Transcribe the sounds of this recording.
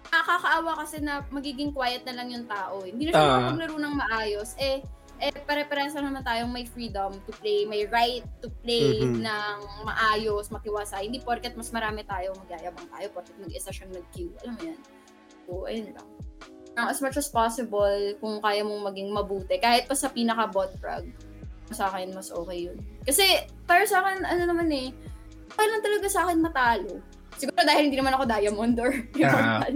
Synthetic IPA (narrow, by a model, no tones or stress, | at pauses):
nɐɐkakɐʔaːwɐkɐsɛnɐmɐɡiːɡɪŋkwaːjɐt̪̚nɐlɐŋjʊŋt̪aːʔo̞hɪnd̪iːnɐabɐŋlɐɾuːnɐŋmɐʔaːjo̞sʔɛ | ʔɛpɛɾɛpɛɾɛːsɐnɐmant̪aːjoŋmɐjfɹiːd̪ɐmt̪ʊplejmɐjɹajt̪ːʊplejnɐŋmɐ̰ʔaːjosmɐkɪwaːsɐhɪnd̪iːpoɾkɛt̪̚mɐsmɐɾaːmɛt̪aːjomɐɡ̚ʔajabɐŋt̪a̰ːjopoɾkɛt̪mɐɡɪsaʃɐŋnɐɡ̚kjuʔɐlamjan | soʔɐ̰jonlɐ̰ | ɐɐsmɐt͡ʃɐspasɪbɐlkʊŋkaːjɐmoŋmɐɡɪŋmɐbuːt̪ɛkaːhɪt̪̚pɐsɐpiːnɐkɐbot̪̚fɹɐ̰ɡ̚ | ɐsaːkɛnmɐsʔoːkɛjːʊnkɐsɛ | paːɾɐsaːkɛnɐnonɐmanɛ | paːɪlɐnt̪ɐlɐɡasaːkɛnmɐt̪aːlo | sɪɡuːɾod̪aːhɪlhɪnd̪inɐmanɐko̞d̪aːjɐmond̪oɹiɐal